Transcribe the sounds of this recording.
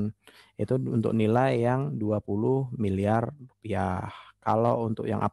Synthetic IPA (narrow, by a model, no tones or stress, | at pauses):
nʔit̪uṵnt̪ʊ̰k̚nilajaŋduapulʊhmiliarrupiahkalount̪ʊk̚ja̰ŋʔa̰p